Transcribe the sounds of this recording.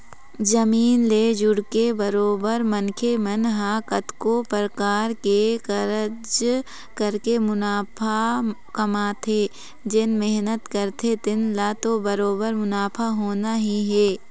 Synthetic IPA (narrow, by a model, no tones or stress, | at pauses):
zɐmiːnleːd͡ʒʊɽkebɐɾoːbəɾmənkʰemənɦaːkət̪kopɾəkaːɾkekɐɾəd͡ʒ | kɐɾkemʊnaːpʰa | kɐmaːt̪ʰeː | d͡ʒɪnmɪɦnət̪kəɾt̪ʰet̪ɪnlaːt̪obɐɾoːbəɾmʊnaːpʰaɦoːnaɦiɦɛː